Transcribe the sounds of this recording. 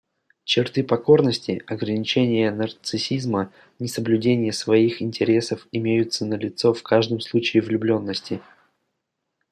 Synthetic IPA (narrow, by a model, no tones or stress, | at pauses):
t͡ɕɪrt̪ɨpɐko̞rnəsʲtʲɪɐɡɾənʲɪt͡ɕenʲɪjənərt̪sɨsʲizmə | nʲɪsəblʲʉdʲenʲɪjəsvɐixɪnʲtʲɪɾʲe̞səfɪmʲejʊt̪sənəlʲɪt̪so̞fkaʐd̪əmslˠut͡ɕɪɪvlʲʊblʲo̞nːəsʲtʲɪ